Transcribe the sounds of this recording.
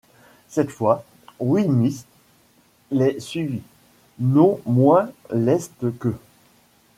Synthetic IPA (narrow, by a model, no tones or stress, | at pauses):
sɛt̪fwa | wimis | lɛsɥivi | nɔ̃mwɛ̃lɛst̪kə